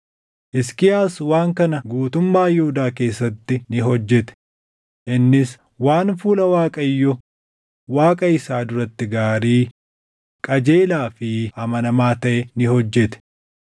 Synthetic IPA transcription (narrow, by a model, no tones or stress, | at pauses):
ʔɪskɪjaːswaːŋkɐnɐɡuːt̪ʊmːaːjɛhʊd̪aːke̞ːsːɐt̪ːɪnɪɦɔd͡ʒːɛt̪ɛ̥ | ʔɪnːɪs | waːnfuːlɐwaːkʼɐjːɔ | waːkʼɐɪsaːd̪ʊɾɐt̪ːɪɡaːɾiː | kʼɐd͡ʒe̞ːlaːfɪhɐmɐnɐmaːt̪ɐʔɛnɪhɔd͡ʒːɛt̪ɛ̥